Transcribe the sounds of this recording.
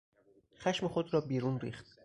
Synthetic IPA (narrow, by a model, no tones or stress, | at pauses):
xæʃmexod̪ɾɒːbiːɾuːnɾḭːxt̪̚